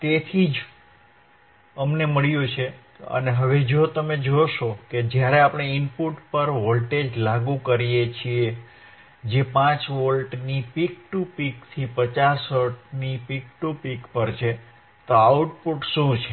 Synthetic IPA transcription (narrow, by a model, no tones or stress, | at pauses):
t̪et̪ʰid͡ʒ | əmneməɭjũt͡ʃʰe | ə̰neɦəʋed͡ʒot̪əmed͡ʒoʃoked͡ʒjaɾeapɳ̃eɪnpuʈpəɾʋolʈed͡ʒlaɡũkəɾijet͡ʃʰie | d͡ʒepãt͡ʃʋolʈnipik̚ʈupikt̪ʰipət͡ʃasəʈnipik̚ʈupikpəɾt͡ʃʰe | t̪oawuʈpuʈʃũt͡ʃʰe